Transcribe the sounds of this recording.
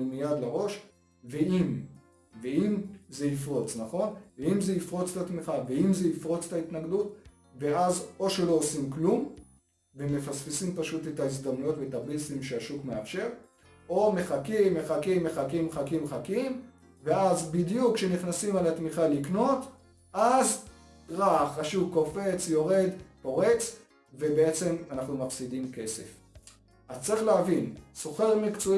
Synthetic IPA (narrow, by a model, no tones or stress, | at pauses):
lmijad̪laʁo̞ʃ | veim | veimze̞ifʁo̞t͡snaχo̞nveimzeifʁo̞t͡statmiχaveimze̞ifʁo̞t͡se̥tait̪naɡdut | veazo̞ʃe̞lo̞ːsimklum | vemefasfisimpaʃutetais̬d̪amnujo̞tvetabisimʃeaʃukmeafʃe̞ʁ | o̞me̞χakimːeχakimːe̞χakimχakimχakim | ve̞azbidjukʃeniχnasimalatmiχalikno̞t | ʔaz | ʁaχaʃuvko̞fe̞t͡sjo̞ʁe̞d̪po̞ʁe̞t͡s | vebeet͡se̞manaχnumafsidimke̞se̞̰f | ʔazt͡sʁiχleavinso̞χe̞ʁmikt͡so